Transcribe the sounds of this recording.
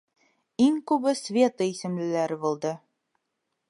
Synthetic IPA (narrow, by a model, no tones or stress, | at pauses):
iŋkʉbɘsvʲet̪ɤisɘ̆mlɘ̆læɾɘbulˠd̪ɤ